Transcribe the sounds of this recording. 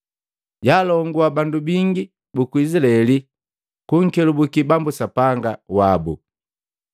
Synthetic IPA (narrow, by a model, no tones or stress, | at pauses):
ɟaːlɔŋɡuabandubiŋɡi | bukuisilaɛli | kuŋ̩kɛlubukibambusapaŋɡawabṵ